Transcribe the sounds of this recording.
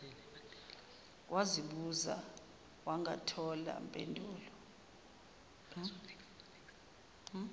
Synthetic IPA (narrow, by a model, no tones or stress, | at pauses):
wʔaziɓuza̰ | waŋa̰tʰɔla̰mpʼendʱuːlɔ